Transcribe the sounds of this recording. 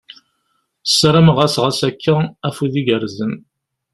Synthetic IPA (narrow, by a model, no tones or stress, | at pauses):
sɾəmʁæsʁəsækːææfuðiɡəɾzən